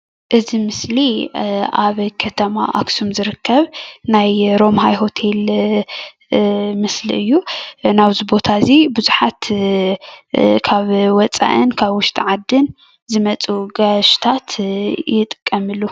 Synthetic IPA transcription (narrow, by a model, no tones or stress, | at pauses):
ʔɨzimɨsliʔaβkʰɐt̪ʰɐma̰ʔa̰ksumzɨɾɨkʰːɐβnajɾo̞mɦajɦo̞t̪ʰe̞l | mɨslḭʔɨjːunaβzibo̞t̪ʰazibuzuħat̪ | kʰaβwɔt͡sʼa̰ʔɨnkʰaβwʊʃt̪ʼʰiʕad̪ːɨn | zɨmɐt͡sʼuɡaʃt̪ʰat̪ʰjɪt̪ʼɨ̥kʼːɐmɨlːu